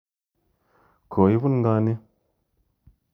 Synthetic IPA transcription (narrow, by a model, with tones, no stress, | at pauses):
kʰo˨i˦bu˦nŋɡa˧˦ni˦